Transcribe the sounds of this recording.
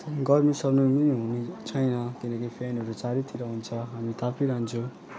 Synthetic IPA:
ɡʌrmisʌbnuminiɦunit͡sʰʌjnʌt̪inʌkʌjpʰenɦʌɾut͡saɾit̪ʰiɾʌɦunt͡sʰʌɦamit̪ʰapʰiɾaɦnt͡sʰo

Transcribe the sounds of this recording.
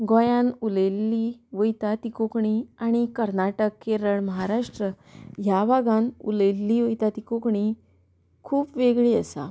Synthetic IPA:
ɡɔ̃jãnuləlːiːʋəjt̪at̪ikokɳiaɽ̃ikəɾnaʈəkːeɾəɭməɦaɾaʂʈɾə | ɦjabaɡãnuləlːiːʋəjt̪at̪ikokɳi | kʰuːpʋeɡɭiːəsa̰

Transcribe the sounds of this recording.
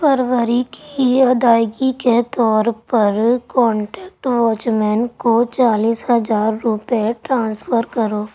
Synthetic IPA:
pəɾʋəɾikiɐd̪aːɪɡiket̪ɔːɾpəɾkɔ̃ːɳʈɛːkʈʋɔːt͡ʃmɛnkot͡ʃaːliːsɦɐzaːɾːʊpʈɾãːnsfʰəɾkəɾoː

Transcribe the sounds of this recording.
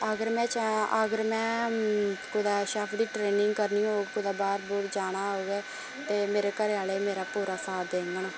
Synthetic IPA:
əɡəɾmɛ̃ːt͡ʃaəɡəɾmɛ̃ː | kʊd̪aːʃaːpʰɖ̪iːʈɾeːnɪ̃ŋɡkəɾniːɦoːɡkʊd̪aːbaːɾbɔːt̪d͡ʒaːɽaːɦoːɡɛː | t̪eːmeːɾeːkəɾeaːleːmeːɾaːpuːɾaːsaːd̪eːŋɡənː

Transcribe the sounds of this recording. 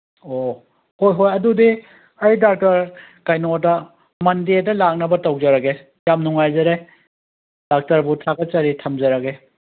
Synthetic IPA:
o | hojɦojɐdudi | ɐjdak̚tɐɾkajnotɐ | mɐndetɐlak̚nɐbɐtɐwd͡ʒɐɾɐke | jamnuŋajzɐɾe | d̥ak̚tɐɾbutʰaɡɐt͡ʃɐɾitʰɐmd͡ʒɐɾɐke

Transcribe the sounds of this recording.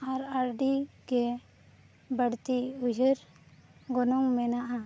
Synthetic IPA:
aɾaɾɖiɡɛ | bəɽt̪iud͡ʒəɾ | ɡɔnɔŋmɛnaʔa

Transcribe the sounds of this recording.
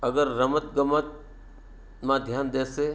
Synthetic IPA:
ɐɡəɾːɐmət̪ɡəmət̪̚ | mãd̪ʱjaːnd̪eːseː

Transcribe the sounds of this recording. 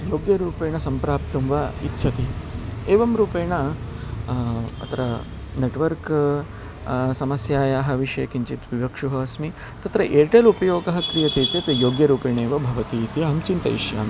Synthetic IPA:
joːɡjɐɾuːpeːɳɐsɐmpɾaːp̚t̪ɐmʋɐḭt̪ːʃʰɐt̪ieːʋɐmɾuːpeːɳɐ | ɐ̰t̪ɐɾɐ | neʈʋɐɾk | sɐmɐsjaːjaːɦɐ̆ʋiʂɐjɐkiɲt͡ʃit̪ʋiʋɐkʂuɦɐsmi | t̪ɐt̪ɾɐʔeːʈelupɐjoːɡɐɦɐkɾijɐt͡ʃt̪eːt͡ʃeːt̪ɐjoːɡjɐɾuːpeːɳeːʋɐbʱɐʋɐt̪it̪iɐɦɐmt͡ʃint̪ɐ̰iʃja̰ːm

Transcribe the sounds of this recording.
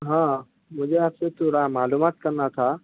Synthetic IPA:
ɦãː | mʊ̃d͡ʑeafset̪uɾãmaːluːmaːt̪kɐɾnat̪ʰa

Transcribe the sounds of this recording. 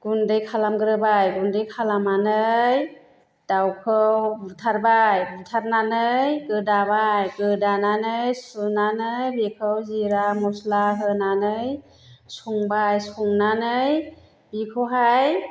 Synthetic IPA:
ɡ̥undɯjkʰalamɡɯɾɯbajɡundɯjkʰalamanɯj | d̥awkʰɯwbutʰaɾbajbutʰaɾnanɯjkɯdabajkɯdananɯjsunanɯjbikʰɯwziɾamɔslaɦɯnanɯj | suŋbajsuŋnanɯj | bikʰɯwɦaj

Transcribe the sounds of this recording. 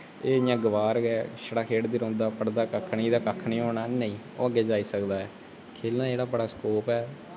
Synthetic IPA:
eːjãːɡəʋaːɾɡɛːʃəɽaːkʰeːʈd̪iɾõːnd̪aːpəɽd̪aːkəkʰːniːd̪aːkəkʰːnĩːɦoːnaːnə̃ĩː | o̰ːəɡːeːd͡ʒaːiːsəkd̪aːɛː | kʰeːlnaːd͡ʒeːɽaːbəɽaːskoːpɛː

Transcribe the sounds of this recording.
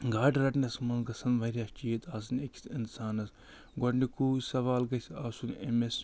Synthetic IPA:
ɡaːʈɾɐʈnɐsmɐnɡɐsɐnʋɐɾʲɐst͡ʃiet̪ʰaːs̬ɐnekʰʲsinsaːnɐs | ɡoʈnikuːsɐʋaːlɡɐsʲaːsunemes

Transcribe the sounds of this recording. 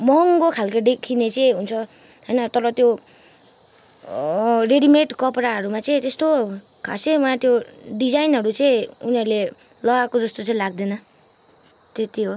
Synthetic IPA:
mʌŋɡokʰalkaɖekʰinet͡sʌĩɦunt͡sʰʌ | ɦʌjnʌt̪ʌɾʌt̪jo | reɽimeʈkʌpɾaɦʌɾumat͡sʌĩt̪est̪o | kʰa̰sewãt̪joɖid͡zajnɦʌɾut͡sʌĩuniʌɾule | lʌɡakod͡zʌst̪ot͡sʌĩlaɡ̚d̪enʌ | t̪et̪iɦo

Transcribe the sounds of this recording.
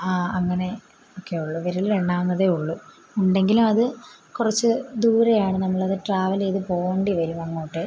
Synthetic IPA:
aːɐŋːɐne̞ | oːkːe̞ːjuɭːuʋeɾileɳːaːnːɐðeuɭːuː | ɳɖe̞ŋɡilumɐðɨkurɐt͡ɕːɨd̪uːɾɐjaːɳɨnɐmːɐɭɐðɨʈraːʋɐleːðɨpo̞ːɣeːɳɖiʋɐɾumɐŋːoːʈːɨ

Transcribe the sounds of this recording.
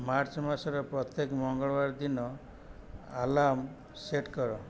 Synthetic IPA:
maɾt͡ʃmasɔɾɔpɾɔt̪jekmɔŋɡɔɭɔbaɾd̪inɔ | alam | seʈkɔɾɔ

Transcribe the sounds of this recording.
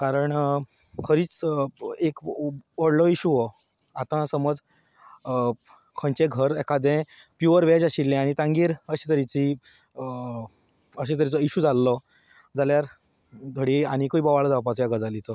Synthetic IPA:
kaɾəɳ | kʰəɾiːt͡s | ekʋəɽlɔiɕuʋɔ | at̪ãsəməd͡z | kʰə̃ɲt͡ɕẽɡʱəɾɛkad̪ẽ | pjuʋəɾʋed͡ʑaɕilːẽãit̪ãŋɡiːɾəɕit̪əɾit͡si | əɕ̬et̪əɾit͡sɔiɕuːd͡zalːɔ | d͡zaljaɾ | t̪ʰoɽiaɽ̃ikəibəʋaɭd͡zapat͡sjaɡəd͡zalit͡sɔ

